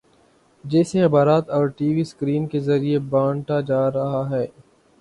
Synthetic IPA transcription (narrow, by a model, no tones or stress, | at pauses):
d͡ʒɛːsexɪbaːɾaːt̪ɔːɾʈiːʋiskɾiːnkezɐɾiebãːɳʈad͡ʒaːɾɐɦaɦɛː